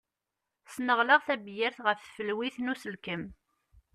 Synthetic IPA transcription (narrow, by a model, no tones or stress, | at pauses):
snəʁləʁθæbjəɾθʁəffəlwiθnusəlkəm